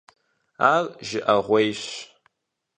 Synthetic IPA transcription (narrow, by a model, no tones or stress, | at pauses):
arʒɪʔaʁʷejɕ